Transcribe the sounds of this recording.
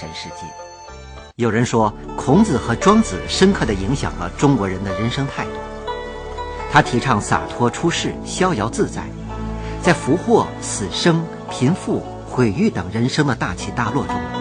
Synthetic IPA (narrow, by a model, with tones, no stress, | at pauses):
ʂə˧˥nʂɻ̩˥˧t͡ɕḭ˥˩ | jo˨˩ʊɻə˧˥nʂwɔ˥kʰʊ˧˥ŋt͡sɹ̩˨˩xɤ˧˥ʈ͡ʂwɑ˥ŋt͡sɹ̩˨˩ʂə˥nkʰɤ˥˩d̪ə˩i˧˥ŋɕjɑ̰˨˩ŋlə̰˦ʈ͡ʂʊ˥ŋkwɔ˧˥ɻə˧˥nd̪ə˧ɻə˧˥nʂɤ˥ŋt̪ʰa˥˧ɪt̪ṵ˥˩ | t̪ʰa˥t̪ʰi˧˥ʈ͡ʂʰɑ˥˩ŋsa̰˨˩t̪ʰwɔ˥ʈ͡ʂʰu˥ʂɻ̩˥˩ɕjɑ˥ʊjɑ˧˥ʊt͡sɹ̩˥˧t͡sa˥˩ɪ | t͡sa˥˩ɪfu˧˥xwɔ˥˩ | sɹ̩˨˩ʂɤ˥ŋ | pʰi˧˥nfu˥˩ | xwe˨˩ɪy˥˩t̪ɤ˨˩ŋɻə˧˥nʂɤ˥ŋd̪ə˨t̪a˥˩t͡ɕʰi˧˥t̪a˥˧lwɔ˥˩ʈ͡ʂʊ˥ŋ